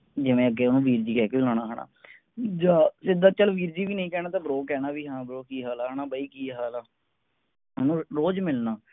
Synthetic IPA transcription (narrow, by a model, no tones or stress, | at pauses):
d͡ʒɪʋẽːəɡeːʊnũːʋiːɾd͡ʒiːkɛːkelaːɽ̃aːɦəɳa̰ː | d͡ʒaːsɪd̪aːt͡ʃəlʋiːɾd͡ʒiːʋiːnəĩːkɛːnãːt̪ãːbɾoːkɛːnaːʋiːɦãːbɾoːkiːɦaːlaːnaːbəiːkiːɦaːlaː | ʊnũːɾoːd͡ʒmɪlnaː